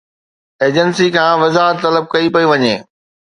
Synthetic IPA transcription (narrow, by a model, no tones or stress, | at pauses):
eːd͡ʑənsikʰãːʋɐzaːɦəɾt̪ːɐləb̚kɐipɐuʋɐɲeː